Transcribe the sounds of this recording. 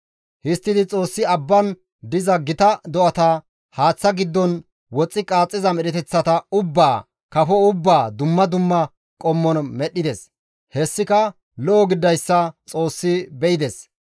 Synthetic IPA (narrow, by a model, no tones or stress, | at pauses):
hɪst̪ːɪd̪ɪt͡sʼo̞ːsːɪɐbːɐn | d̪ɪzɐɡɪt̪ɐd̪ɔʔɐt̪ɐ | haːt͡sːɐɡɪd̪ːɔn | wɔt͡sʼːɪkʼaːt͡sʼːɪzɐmɛɗɛt̪ɛt͡sːɐt̪ɐʊbːaː | kɐfɔʊbːaːd̪ʊmːɐd̪ʊmːɐ | kʼɔmːɔnmɛɗːɪd̪ɛs | hɛsːɪkɐ | lɔʔɔɡɪd̪ːɐjsːɐt͡sʼo̞ːsːɪbɛɪd̪ɛs